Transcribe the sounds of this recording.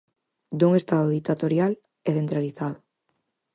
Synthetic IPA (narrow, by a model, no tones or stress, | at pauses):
d̪uŋest̪aðoðik̚t̪at̪oɾjal | ɛθent̪ɾaliθaðʊ